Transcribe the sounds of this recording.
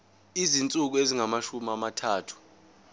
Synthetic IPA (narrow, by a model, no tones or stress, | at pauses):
izint͡sʼuk̬ueziŋamaʃumamatʰaːtʰu̥